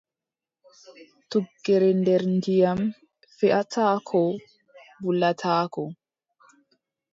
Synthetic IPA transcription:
tuɡːɛɾɛndɛɾndijam | fɛʔatʰaːkʰɔ | bulatʰaːkɔ

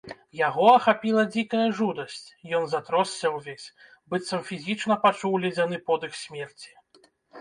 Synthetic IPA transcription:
jaɣɔɐxapʲilˠɐd͡zʲikɐjɐʐud̪ɐsʲt͡sʲjɔnzat̪ɾɔsːʲɐwvʲesʲ | bɨt̪sɐmfʲizʲit͡ʂnɐpat͡ʂuwlʲɛd͡zʲanɨpɔd̪ɨxsʲmʲɛrt͡sʲi̥

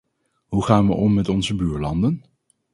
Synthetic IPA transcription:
ɦuχaːnʋə̰ʔɔmːɛtɔnzəbyːɹlɑndən

